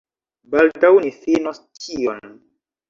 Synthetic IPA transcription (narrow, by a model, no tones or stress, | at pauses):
baldawnifinostion